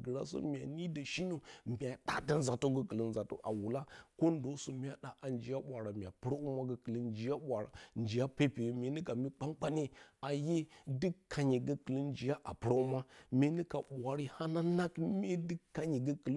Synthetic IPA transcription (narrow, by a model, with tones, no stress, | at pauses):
ɡə˨ɾa̰˦so̰˦mʲ˨a˨ni˦da˨ʃi˦no˦m˨bʲa˨ɗa˦da˨n˦za˨to˦ɡə˦kə˨lə˨n˦za˨to̰˦ʔa̰˨wu˨la˦ko˦n˦do˦so˨mʲ˦a˨ɗa˦ʔa˨nd͡ʒi˨ja˦ɓʷa˨ɾa˨mi˨a˨pɨ˦ɾa˦u˦ma˦ɡə˦kə˨lə˦nd͡ʒi˨ja˦ɓʷa˨ɾa̰˨nd͡ʒi˨ja˦pe˦pe˨me˨ni˦ka˨mi˦k͡pa˦ŋk͡pa˦ne˦a˨je˦dɨ˦kːa˨ɲe˨ɡə˦kə˨li˦nd͡ʒi˨ja˦ʔa˨pɨ˨ɾa˦u˦ma˦mʲe˦ni˦ka˨ɓʷa˨ɾi˦ha˦na˦na˦kmʲ˦e˦dɨ˦kːa˨ɲi˨ɡə˦kə˨l